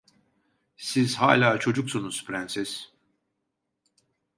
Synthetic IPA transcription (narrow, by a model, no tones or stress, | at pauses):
siz̥ha̰ːlʲaːt͡ʃʰo̞d͡ʒuksunuz̥pʰɾænsiz̥